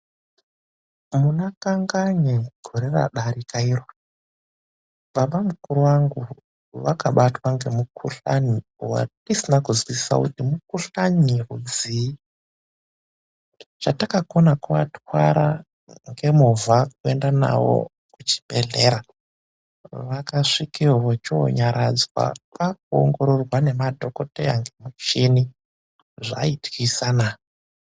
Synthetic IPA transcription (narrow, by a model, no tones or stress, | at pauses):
munakaŋɡaɲeɡ̥ʱo̞ɾera̰ɗaɾikairo | ɓaɓamukuɾuwaŋɡu | ʋakaɓatwaŋɡe̞mukʰuɬa̰niwa̰tisinakuzwiisa̰kutimukuɬaɲirud͡zii | t͡ʃatakakonakuʋa̰twa̰ɾa | ŋɡe̞muvʱakuendana̰wo̰kkut͡ʃi̥bʱeɮeːɾa | ʋakaʂikiʋot͡ʃoo̰ɲaɾad͡zwa̰pak̚uo̰ŋɡo̞ɾo̞rwane̞madʱo̞ko̞teaŋɡe̞mut͡ʃeni | ʐa̰itisana